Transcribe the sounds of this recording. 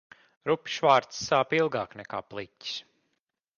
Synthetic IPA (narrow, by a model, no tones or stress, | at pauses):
ɾupʲi̥ʃvaːɾt̪ssːaːpilˠɡaːknɛka̰ːplˠitʲi̥s